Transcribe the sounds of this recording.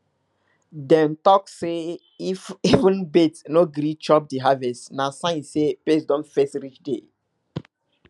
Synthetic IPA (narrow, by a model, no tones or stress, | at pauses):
dɛ̃ntɔkse | ifivə̃nbetnoɡɾit͡ʃɔp̚diɦavɛstnasãj̃nsepesdɔ̃nfɛstɾit͡ʃde